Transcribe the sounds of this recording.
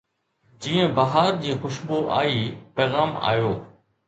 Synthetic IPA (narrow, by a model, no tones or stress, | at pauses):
d͡ʑĩːə̃bɐɦaːɾd͡ʑiːxʊʃboʔa̰ːipɛːɣaːma̰ːjoː